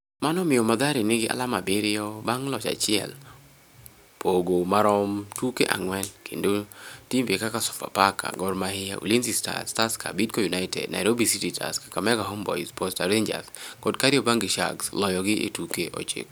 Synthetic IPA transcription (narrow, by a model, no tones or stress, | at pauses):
manɔmɪjɔmad̪aɾɪnɪɡɪʔa̰lamabɪɾɪɔbaŋlɔt͡ʃa̰t͡ʃɪɛ̰l | pʰoɡomaɾɔmtukḛʔa̰ŋwɛnkʰḛndotimvekakasɔ̥fa̰paka̰ɡɔɾmahɪjaṵlinsista̰staskʰa̰bid̚kojunaɪtɛ̰d̚na̰ɪɾobisititʰa̰skḁkamɛɡaɦombɔ̰ispɔstaɾeɲd͡ʒa̰skɔdkaɾɪɔbaŋɡɪʃa̰ɡslɔjɔɡɪʔḛtukeʔɔ̰t͡ʃɪ̰k̚